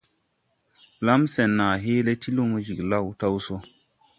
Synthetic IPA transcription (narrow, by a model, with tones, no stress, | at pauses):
la˦msɛ˨nːa˨ɦeː˦le˦ti˦lo˦ŋo˦d͡ʒi˨kla˦˨wta˦wso˦